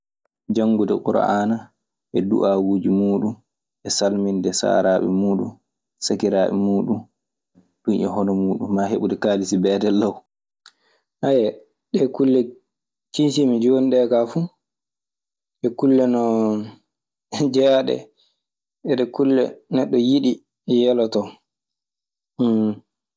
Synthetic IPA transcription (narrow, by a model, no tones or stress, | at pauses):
d͡ʒaŋɡudɛkuɾa̰ʔana | ʔɛdṵʔawuːd͡ʒimuːɗun | ʔɛsalmindɛsa̰ɾaːɓɛ̰muːɗṵn | sakiɾaːɓɛ̰muːɗun | ɗunʔɛ̰hɔnɔmuːɗunːaɦeɓudɛkaːlisibɛːdɛlːaw | ʔajɛ | ɗɛkulːɛ | t͡ʃinsimid͡ʒoniɗɛkafu | ɗɛkulːɛnɔ | d͡ʒɛjaɗɛ̰ | ɛɗɛkulːɛ̰nɛɗːɔjiɗi | jɛlɔtɔ